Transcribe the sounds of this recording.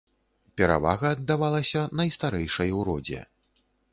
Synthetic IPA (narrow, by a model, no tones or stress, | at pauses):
pʲɛɾa̰va̰ɣɐːd̪ːavalˠɐsʲɐnɐjst̪aɾɛjʂɐjwɾɔd͡zʲɛ̰